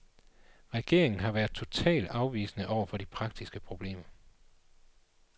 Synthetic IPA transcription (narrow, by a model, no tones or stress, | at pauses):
ʁɛɡ̥e̝ɐ̰e̝ŋn̩ɦɑ̈ʋæɐð̥ˠt͡sʰo̝t͡sʰɛ̰ːld̥ɑ̈ʊʋḭːsənəʔɒʊ̰ɐfɒ̽ɾ̥ipʰʁɑ̈ɡ̥̚d̥isɡ̥əpʰʁo̝b̥le̝̰ːmɐ